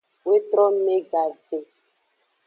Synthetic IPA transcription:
we˦t̪ɾɔ˦me˦ɡa˨de˨

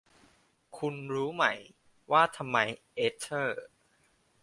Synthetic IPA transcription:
kʰu˧nɾuː˦˥ma˦˩j | waː˥˩t̪ʰa˧mːa˧jʔeː˦˥t͡ɕʰːɤː˥˩

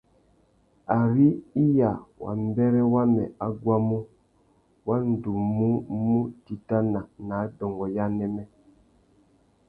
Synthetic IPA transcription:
a˨ɾi˦i˦ja˨wa̰˨m˦bɛ˦ɾɛ˦wa˦mɛ̰˨a˦ɡwa˦mu˦ | wa˦n̩˨du˨mu˦mu˦ti˨ta˦na˨na˨˦dɔ˨ŋɡɔ˨ja˦nɛ˦mɛ˦

